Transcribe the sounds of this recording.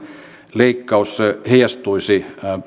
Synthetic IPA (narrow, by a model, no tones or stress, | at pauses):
leikːɑusseheijɑst̪uisi